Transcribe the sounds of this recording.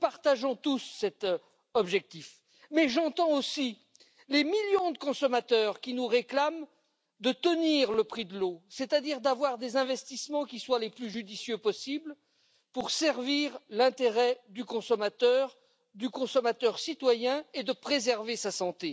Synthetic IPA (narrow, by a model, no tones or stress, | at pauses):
paʁt̪aʒɔ̃t̪usːɛt̪ | ɔbʒɛk̚t̪if | mɛʒɑ̃t̪ɑ̃osi | lemiljɔ̃d̪əkɔ̃sɔmat̪œʁkʲinuʁeklam | d̪ət̪əniʁləpχid̪əlosɛt̪ad̪iʁd̪avwaʁd̪ezɛ̃vɛst̪ismɑ̃kʲiswaleplyʒyd̪isjøpɔsibl | puʁsɛʁviʁlɛ̃t̪eʁɛd̪ykɔ̃sɔmat̪œʁ | d̪ykɔ̃sɔmat̪œʁsit̪wajɛ̃ed̪əpχezɛʁvesasɑ̃t̪e